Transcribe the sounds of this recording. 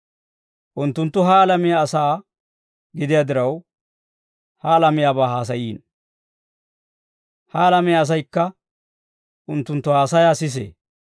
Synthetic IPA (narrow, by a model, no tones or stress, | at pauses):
ʔʊnt̪ːʊnt̪ːʊɦaːlɐmɪjaːsaː | ɡɪd̪ɪjad̪ɪɾɐw | hɐlɐmɪjaːbaːhaːs̬ɐjiːn | hɐːlɐmɪjaːs̬ɐjkːɐ | ʔʊnt̪ːʊnt̪ːʊhaːsɐjaːsɪs̬ḛː